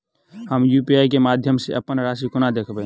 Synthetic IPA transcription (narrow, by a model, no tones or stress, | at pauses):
həmjuːpiaːjkemaːd̪ʱjəmseʔəpənɾaːsikʊnad̪eːkʰbẽ